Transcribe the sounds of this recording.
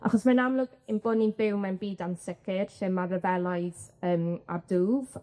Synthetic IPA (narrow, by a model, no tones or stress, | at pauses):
a̰χɔsmanamlʊɡɪnboːdninbɪwmɛnbiːdansɪkʰɪrʃɪmarəvɛlˠajðəːma̰duːv̥